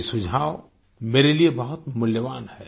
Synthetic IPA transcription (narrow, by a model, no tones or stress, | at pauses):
sʊd͡ʒʱaːʋ | meːɾeliebɐɦʊt̪mʊljəʋaːnhɛː